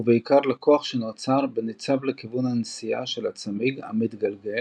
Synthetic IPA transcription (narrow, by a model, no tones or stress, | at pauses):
uveikaʁlakoaχʃenot͡saʁbenet͡savlekivunhansija̰ʃelat͡samiɡa̰mit̪ɡalɡe